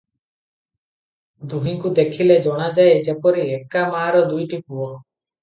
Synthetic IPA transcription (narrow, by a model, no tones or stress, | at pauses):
d̪uɦiŋkud̪ekʰiled͡ʒɔɽ̃ad͡ʒajed͡ʒepɔɾiekamaːɾɔd̪ujʈipuɔ